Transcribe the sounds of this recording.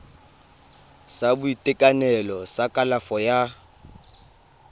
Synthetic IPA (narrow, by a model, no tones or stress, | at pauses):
sabʊitʼɪkʼanɛlɔsakʼalafɔja